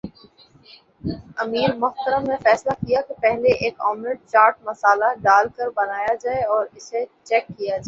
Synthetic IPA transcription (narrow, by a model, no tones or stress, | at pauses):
ɐmiːɾmʊxt̪əɾəmːẽfɛːslakijakepɛɦleʔeːkɔ̰ːmɾɪʈ̚t͡ʃaːɾʈ̚mɐsaːlaɖaːlkɐɾbɐnaːjad͡ʒaːeɔːɾɪset͡ʃɛːkːijad͡ʒaː